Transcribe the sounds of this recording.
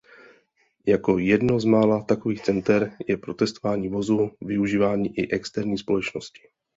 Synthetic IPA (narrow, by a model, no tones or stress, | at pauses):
jako̞jɛdno̞zmaːlat̪ako̞viːxt͡sɛnt̪ɛɾjɛpɾo̞t̪ɛst̪ovaːɲiːvo̞zuvɪuʒiːvaːɲiːʔɪʔɛkst̪ɛɾɲiːspo̞lɛt͡ʃno̞scɪ̥